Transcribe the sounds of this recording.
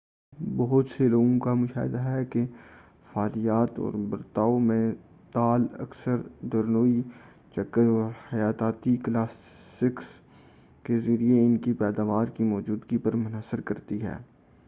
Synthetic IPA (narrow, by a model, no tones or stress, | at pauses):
bɐɦʊt̪seloːɡõkamʊʃa̰ːɦɪd̪aɦɛke | faːlijaːt̪ɔ̰ːɾbɐɾt̪aːomẽ | t̪aːlɐ̰ksəɾd̪ɐɾnoːi | t͡ʃɐkːəɾɔːɾhɐjaːt̪aːt̪iklaːsːɪks | kezɐɾieɪnkipɛːd̪aːʋaːɾkimɔːd͡ʒuːd̪ɡipɐɾmʊnasːəɾkɐɾt̪iɦɛ̰ː